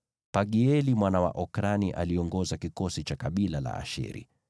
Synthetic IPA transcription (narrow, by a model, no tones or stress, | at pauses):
paɠiɛlimwanawa̰ʔɔkɾaniʔaliɔŋɡɔzakikɔsit͡ʃakaɓilala̰a̰ʃɛ̰ɾḭ